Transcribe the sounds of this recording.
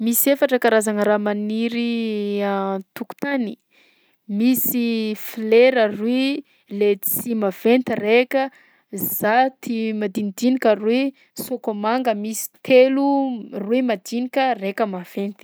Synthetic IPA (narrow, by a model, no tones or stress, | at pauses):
misiefaʈ͡ʂəkaɾazaŋəɾamaniɾi | t̪uku̥t̪ani̥ | misifleɾərwi | let͡simav̥ent̪irekʲə | z̥at̪ʰimad̪inid̪inikʲəri | sokomaŋɡəmisi̥t̪ʰeluruimad̪inikʲərekəmav̥ent̪i̥